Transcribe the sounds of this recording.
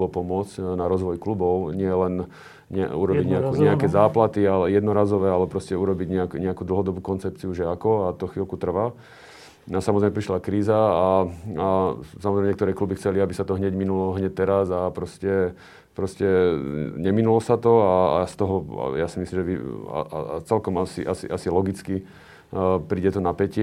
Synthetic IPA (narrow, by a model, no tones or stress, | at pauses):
ɔpɔmʊɔd͡zcnaɾɔzʋɔjklubɔʊɲɪɛlɛn | ɲɛuɾɔbiɟɲɛakɲɛakɛːzaːplat̪ialɛjɛd̪nɔɾaːzɔʋɛːalɛpɾɔscɛuɾɔbiɟɲɛakɲɛakuːd̪l̩ɦɔd̪ɔbuːkɔnt͡sɛp̚t͡siuʒɛakɔat̪ɔxʋilkut̪r̩ʋa | asamɔzɾɛjmɛpɾiʃlakɾiːzaaasamɔzɾɛmɛɲɛkt̪ɔɾɛːklubixt͡sɛliabisat̪ɔɦɲɛɟminulɔɦɲɛc̚t̪ːɛɾazapɾɔscɛ | pɾɔscɛɲɛminulɔsat̪ɔaa̰st̪ɔɦɔa̰jasimislimʒɛʋḭa̰a̰t͡sɛlkɔmasḭʔasḭʔasilɔɡit͡ski | pɾiːɟɛt̪ɔnapɛcɪ